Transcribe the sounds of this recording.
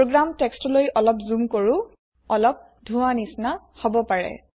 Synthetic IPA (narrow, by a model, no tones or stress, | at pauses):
pɹoɡɹamtɛkstɔlojʔɔlɔpzumkoɹũ | ɔlɔp̚ | dʱuwanisna | hobɔpaɹɛ̰